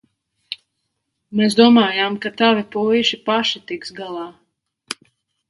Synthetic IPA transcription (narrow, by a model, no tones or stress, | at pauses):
meːs̬d̪uɔmaːjamkat̪avipujʃipaʃit̪iksɡalˠɑː